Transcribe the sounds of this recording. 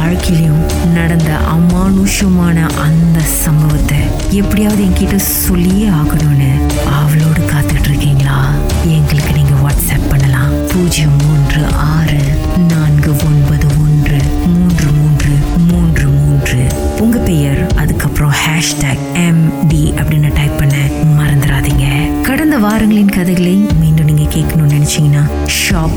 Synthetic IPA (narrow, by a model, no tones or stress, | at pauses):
aːɻkɐjɪlɐjʊ̃m | nɐɽɐnd̪ɐ̰ʔɐmːaːnuːʂɐmaːnɐʔɐnd̪ɐsɐmbɐʋɐt̪ːɛ | ɛpːɐɽɪjaːʋɐðɯɛŋɡɐkiʈːɐsɔlːɪjeːaːɣɐɳuːnːɯ | ɐʋɐloːɽɯkaːt̪ɯkʈːɪɾɯkːiːŋɡɐɭaː | ɛŋɡɐɭɯkːɯniːŋɡɐʋaːʈsɛːpːɐɳːɐlãː | puːd͡ʒɪjɐmuːndrɯʔaːɾɯ | naːnɡɯɔnbɐðɯɔndrɯmuːndrɯmuːndrɯmuːndrɯmuːndrɯpʊŋɡɐpɛjɐɾɐðɯkːɐpːɾõhaːʂʈaːɡ | ɛmɖiɐpːɐɽɪnːɐʈɐɪpːɐɳːɐmɐɾɐnd̪ɪɾaːðiːŋɡɐkɐɽɐnd̪ɐʋaːɾɐŋɡɐɭɪnkɐðɐɪɣɐɭɐmiːɳɖɯ̃niːŋɡɐkeːʈkɐnʊmnɛnɛt͡ʃːɪŋɡɐnaː | ʂaːp